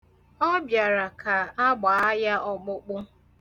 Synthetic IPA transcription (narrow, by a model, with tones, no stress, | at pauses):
ɔ˦bja˨ɾa˨kʰa˨a˦ɡ͡ba˨a˦ja˦ʔɔ˨k͡pʊ˦k͡pʊ˦